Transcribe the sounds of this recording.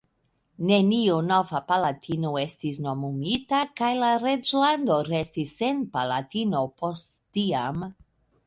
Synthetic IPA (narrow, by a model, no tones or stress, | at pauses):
ne̞nionovapalatʰinoe̞stis̬no̞mumitakajlaɾe̞d͡ʒlando̞ɾe̞stisːe̞npalatino̞po̞stːiam